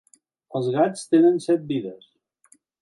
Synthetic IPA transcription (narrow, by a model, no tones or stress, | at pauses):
əlˠzɣat͡st̪enənsɛt̪̚biðəs